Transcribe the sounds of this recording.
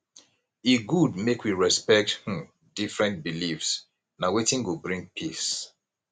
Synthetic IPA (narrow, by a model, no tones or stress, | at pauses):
iɡudmekwiɹɛspɛk̚thũ | difɹɛ̃nt̚bilifs | nawetĩŋɡobɹĩŋɡ̚pʰis